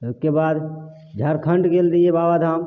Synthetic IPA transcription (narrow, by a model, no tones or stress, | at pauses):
oskebaːd̪ | d͡ʒʱaɾkʰəɳɖɡeld̪iebabad̪ʱam